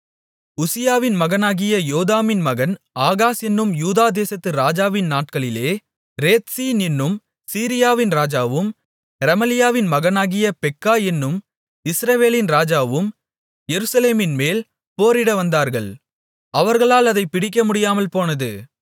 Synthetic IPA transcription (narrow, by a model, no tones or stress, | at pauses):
ʊsɪjaːʋɪnmɐɣɐnaːɣɪjɐjoːðaːmɪnmɐɣɐn | aːɣaːsɛnːɯmjuːðaːd̪eːsɐt̪ːɯɾaːd͡ʒaːʋɪnnaːʈ̚kɐɭɪleː | ɾeːt̪siːnɪnːɯm | siːɾɪjaːʋɪnɾaːd͡ʒaːʋɯm | ɾɐmɐlɪjaːʋɪnmɐɣɐnaːɣɪjɐpɛkːaːɛnːɯm | ɪsɾɐʋeːlɪnɾaːd͡ʒaːʋɯm | jɛɾɯsɐleːmɪnmeːl | poːɾɪɽɐʋɐnd̪aːɾɣɐɭ | ɐʋɐɾɣɐɭaːlɐðɐɪpːɪɽɪk̬ʲːɐmʊɽɪjaːmɐlpoːnɐðɯ